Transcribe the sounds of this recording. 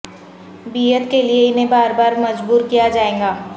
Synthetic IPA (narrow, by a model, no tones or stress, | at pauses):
biːət̪kelieɪn̤ẽbaːɾbaːɾmɐd͡ʒbuːɾkijad͡ʒaːẽːŋɡaː